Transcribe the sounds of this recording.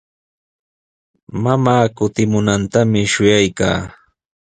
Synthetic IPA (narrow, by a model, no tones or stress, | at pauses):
mamaːkʊt̪ɪmʊnant̪amɪʃʊjajka̰ː